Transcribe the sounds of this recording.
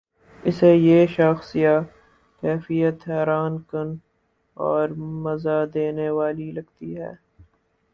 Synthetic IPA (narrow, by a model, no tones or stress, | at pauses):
ɪsejeːʃəxsija | kɛːfijət̪ɦɛːɾaːnkən | ɔːɾmɐzad̪eːneʋaːlilɐɡt̪iɦɛ̰ː